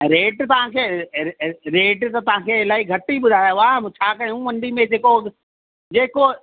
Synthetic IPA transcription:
ɾeːʈt̪ɐʋ̤ãkʰeː | ɾeːʈt̪ɐt̪ɐʋ̤ãkʰeːɪlaːɦiɡʱɐʈiɓʊd̪ʱaːjoʋat͡ɕʰaːkɐɽiũmɐ̃ɳɖimẽd͡ʑeːko | d͡ʑeːko

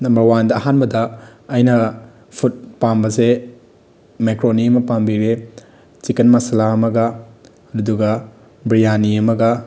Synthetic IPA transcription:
nɐmbɐɾwandɐːɦanbɐdɐɐjnɐ | pʰut̚pambɐse | mekɾoniɐmɐpambiɾe | t͡ʃikɐnmɐsɐlaɐmɐɡɐ | ɐɾɐduɡɐ | bɾijaniɐmɐɡɐ

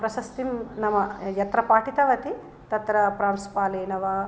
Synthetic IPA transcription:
pɾɐsɐst̪imnɐmɐjɐt̪ɾɐpaːʈit̪ɐʋɐt̪i | t̪ɐt̪ɾɐpɾaːnsu̥paːleːnɐʋɐ

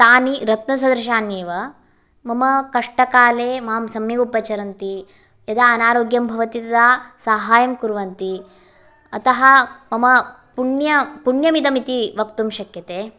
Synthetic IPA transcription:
t̪aːniɾɐt̪nɐs̬ɐd̪ɾɐʃaːnjeːʋɐ | mɐmɐkɐʂʈɐkaːleːmaːmsɐmjɐupɐt͡ʃɐɾɐnt̪i | jɐd̪aɐnaːɾoːɡjɐmbʱɐʋɐt̪it̪ɐd̪asaːɦaːjɐmkuɾʋɐnt̪i | ɐt̪ɐɦɐmɐmɐ | puɳjɐpuɳjɐmid̪ɐmit̪iʋɐkt̪umʃɐkjɐt̪eː

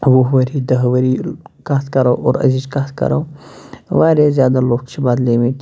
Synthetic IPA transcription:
ʋoɦʋɐɾid̪ɐɦʋɐɾikaːt̪ʰkɐɾoːʔo̰ːɾɐ̰zizkat̪ʰkɐ̰ɾo̰ː | ʋaːɾezjaːd̪aloːkt͡ʃʰibaːd̪leːmit̪

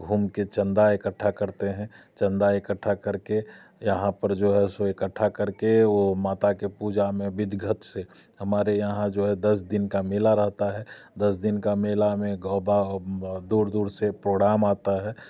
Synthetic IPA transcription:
ɡʱuːmket͡ʃə̃nd̪aekəʈʰːakəɾt̪eɦɛ̃ | t͡ʃə̃nd̪aekəʈʰːakəɾke | jəɦãpəɾd͡ʒoːɦɛsoekəʈʰːakəɾkeoːmaːt̪akepud͡ʒamẽbɪd̪ɡʱət̪se | həmaːɾejəɦãd͡ʒoːɦɛd̪əs̬d̪ɪnkamɪːlaɾəɦt̪aɦɛd̪əsd̪ɪnkameːlamẽɡɔːbad̪uːɾd̪uːɾsepɾoːɡɽaːmaːt̪aɦɛː

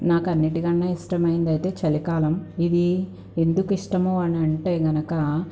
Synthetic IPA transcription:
naːkɐnːiʈiɡɐɳːaːiʂʈɐmɐjind̪ɐjit̪e̞ːt͡ʃɐlikaːlɐmid̪i | e̞nd̪ukuiʂʈɐmuɐnɐɳʈe̞ːɡɐnɐkɐ

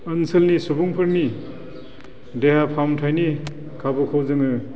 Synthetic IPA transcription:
ɐnsɐlnisubuŋpʰɯɾni | deɦapʰamtʰajni | kʰabɯkʰawzɯŋɯ

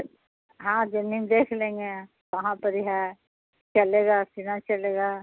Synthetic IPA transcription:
ɦãːd͡ʒɪnːimd̪eːkʰlẽːŋɡe | ʋɐɦãpəɾiɦɛ | t͡ʃɐleːɡaːsinat͡ʃɐleːɡaː

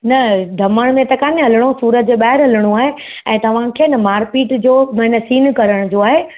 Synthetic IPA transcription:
nɐɖʱɐməɽ̃mẽt̪ɐkaːnɦɐlɪɽ̃osuːɾət̪̚d͡ʑeɓaːɦɪɾɦɐlɪɽ̃ũaːɦe | ɛ̃ːt̪ɐʋ̤ãkʰeːɪnɐmaːɾpiːʈd͡ʑoːɦɪ̃nə̆siːnkɐɾəɽ̃d͡ʑoːaːɦeː

